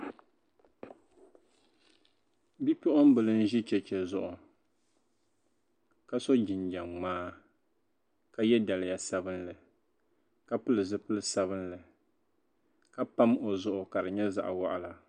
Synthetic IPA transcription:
bi˦pʊ˦ʔʊ˦m˦bɨ˨lɨ˦n̩˦ʒi˦t͡ʃɛ˦t͡ʃɛ˨zʊ˨ʔʊ˨ | ka˦so˦d͡ʒi˨nd͡ʒa˨ŋŋ͡maː˦ | ka˦jɛ˦da˨lɪ˨ja˨sa˦bɨ˦nlɨ˨ | ka˦pɨ˦lɨ˨zɨ˦pɨ˦lɨ˦sa˦βɨ˦nlɨ˨ | ka˦pa˦mo˨zʊ˦ʔʊ˨ka˨ɾɨ˨ɲɛ˦za̰˨ʔwa̰˦ʔa˨la˨

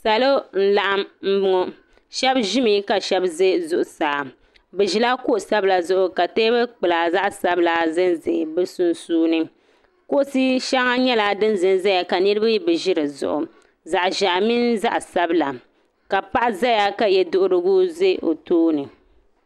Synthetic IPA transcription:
sa˨lo˦n̩˦la˨ʔa˦mm̩˦bʊ˦ŋɔ˦ | ʃɛ˦bʒɪ˦mi˨˦ka˨ʃɛ˦bze˦zʊ˨ʔʊ˨saː˨ | bɨ˨ʒi˦la˦ko˦ʔʊ˨sa˦bla˨zʊ˦ʔʊ˨ka˨teː˦bɛ˦k͡pɨ˨laː˨za˦ʔsa˦bla˨zɨ˦nze˨bɨ˦su˦nsuː˦nɨ˦ | ko˦ʔʊ˦si˦ʃa˦ŋa˦ɲɛ˦la˨dɨ˦nzɨ˨nza˦ja˨ka˨nɨ˦ɾɨ˦ba˦ji˦bɨ˨ʒi˦ɾɨ˨zʊ̰˨ʔʊ˨ | za˨ʔʒa˨ʔmi˦nza̰˦ʔsa˦bla˨ | ka˨pa˦ʔa˦za˦ja˦ka˨jɛ˦dʊ˦ʔʊ˦ɾɨ˦ɡu˦ze˦ʔo˨toː˦nɨ˨

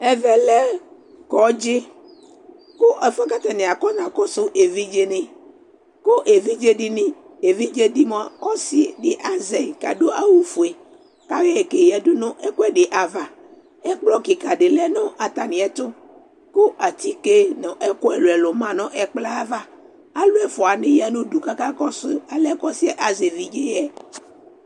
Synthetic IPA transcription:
ɛ˦vɛ˨lɛ˦ | kɔ˨˦d͡ʒe˦ | ko˦ʔɛ˨fɛ˦ka˦t̪a˨nẽ˨a˨kɔ˦ɲã˨kɔ˦sʊ˦ʔe˨vi˦d͡ʒe˦nĩ˨ | ko˦ʔe˨vi˦d͡ʒe˦ɖi˦nĩ˦ | e˨vi˦d͡ʒe˦di˦mɔ̃˦˨a˨ɔ˦si˦ɖi˨ʔa˨ze˨i˨ka̰˨ɖo˦a˦wu˨fu˨e˨ | ka˦ɣe˦e˨ke˨jɛ˨du˦nõ˦ʔɛ˦kɔ˦ɛ˦ɖe˨ʔa˨va˨ | ɛ˦k͡plɔ˦ki˨ka˨ɖe˨lɛ˦nõ˦ʔa˨t̪a˨nĩ˨ɛ˨t̪ʊ˦ | ko˦ʔa˨t̪i˦ke˦nɔ̃˨ʔɛ˦kɔ˦ɛ˨lo˨ɛ˨lo˨mã˦nɔ̃˦ʔɛ˨k͡pla˦va˦ | a˦lo˦ɛ˦fɔ˨a˨nẽ˦ja˦nũ˦du˨ka˦ka˦kɔ˦sʊ˦a˨lɛ˦kɔ˦si˦ɛ˦ʔa˨ze˨vi˦d͡ʒe˦jɛ˦

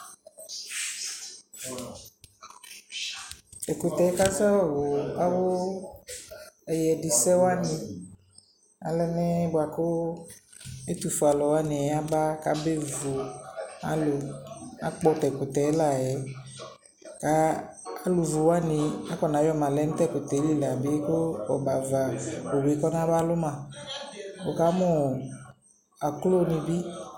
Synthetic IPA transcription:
ɛ˨ko˨t̪ɛ˨˦ka˦sɛ˦wɔ˦wo˨a˦wo˦ | ɛ˨jɛ˨di˨sɛ˦wa˦nĩ˨ | a̰˨lɛ˦nɛ̃˦bo˨a˨ko˦ | e˦t̪u˨fu˨a˨lɔ˨wa˦nĩ˨˦a˦ba˦ka˨˦be˦vu˨a̰˨lo˨a̰˨k͡pɔ˦tɛ˨kʊ˨t̪ɛ˨˦la˦˨jɛ˨˦ | ka˨˦ | a˦lu˨vu˨wa˦nɪ˨a˦kɔ˨na˨˦jɔ˦˨mã˨lɛ˨˦n̩˦t̪ɛ˦˨pʊ˨t̪ɛ˨˦li˦˨la˨be˦kʊ˦ɔ̰˨ba˨va˨o˨we˨˦kɔ˦nã˦ba˦lʊ˦mã˨ | bo˨ka˨˦mʊ˦˨ | a˨klo˦˨nĩ˨bi˦

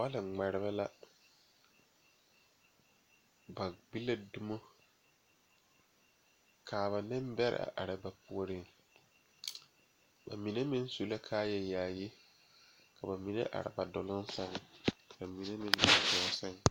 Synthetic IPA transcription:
wa˦lɪ˨ŋ͡ma˨ɾɪ˨βɛ˦la˦ | ba˨ɡ͡bi˦la˦du˦mo˦ | kʰaː˨βa˨nɪ˦mbɛ˦ɾɪ̰˨ʔa̰˨ʔa̰˨ɾɪ˨ba˨pʊ˨o˨ɾɪ˦ŋ | ba̰˨mi˨ne˦mɪ̃˦n˦su˦la˦kʰaː˦jɛ˨jaː˨ji˦ | kʰa˨ba˨mi˨nḛ˦ʔa̰˨ɾɪ̰˨ba˨dʊ˨lʊ˦n˦sɛ˦ŋka˨mi˨ne˦mɪ̃˦n˨a˨dʊ˨˦sɛ˦ŋ

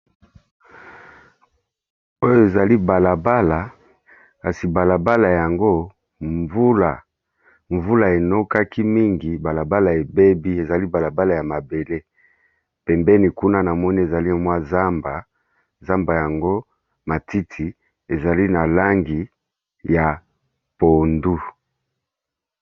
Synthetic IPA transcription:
o˦jo˦˨e˨za˨li˦ba˨la˨ba˦la˨ | ka˨si˨ba˨la˨ba˦la˨ja˨ŋɡo˦ | ɱvu˦la˨ | ɱvu˦la˨e˨no˦ka˦ki˦mi˦ŋɡi˨ba˨la˨ba˦la˨e˨be˦bi˦e˨za˨li˦ba˨la˨ba˦la˨ja˨ma˨be˨le˦ | pɛ˨mbɛ˦ni˨ku˦na˦na˨mɔ˦ni˦e˨za˨li˦˨˦mwa˦za˦mba˨ | za˦mba˨ja˨ŋɡo˦ | ma˨tʰi˦tʰi˨ | e˨za˨li˦na˨la˦ŋɡi˨ | ja˨ | po˨ndu˦

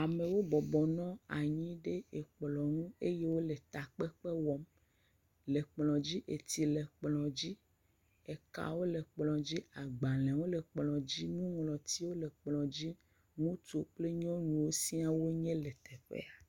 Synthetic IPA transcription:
a˨me˨wo˦bɔ˨bɔ˨nɔ̃˦a˨ɲĩ˦ɖe˦e˨k͡plɔ˨ŋũ˦e˦je˦wo˦le˨t̪a˨k͡pe˦k͡pe˦wɔ˦m | le˨k͡plɔ̃˨d͡ʑi˦ʔe˨t̪i˨le˨k͡plɔ̃˨d͡ʑi˦ | e˨ka̰˨wo˦le˨k͡plɔ̃˨d͡ʑi˦a˨ɡ͡ba˨lɛ̃˨wo˦le˨k͡plɔ̃˨d͡ʑi˦nũ˦ŋlɔ̃˨t̪i˦wo˦le˨k͡plɔ̃˨d͡ʑi˦ | ŋũ˦t̪o˦k͡ple˦ɲɔ̃˦nũ˨wo˦si˦a˦wo˦ɲẽ˦le˨t̪e˨ɸḛ˦a˨

